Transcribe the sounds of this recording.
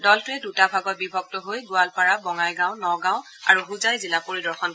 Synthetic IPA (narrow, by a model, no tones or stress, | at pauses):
dɔltʊɛdutabʱaɡɔt̚bibʱɔɡ̚tɔɦojɡʊalpaɹabɔŋajɡãʊ̃nɔɡãw̃ | a̰ɹuɦuzajzilapoɹidɔɹxɔn